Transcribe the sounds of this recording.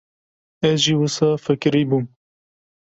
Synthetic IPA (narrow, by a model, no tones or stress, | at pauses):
ɛzʒiwɨsɑːfɨkɨɾiːbuːm